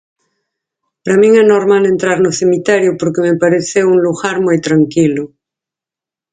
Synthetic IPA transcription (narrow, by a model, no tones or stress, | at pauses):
paɾamĩŋɛnoɾmalent̪ɾaɾnosemit̪eɾjopoɾkemepaɾeθewuŋluɣaɾmujt̪ɾaŋkilo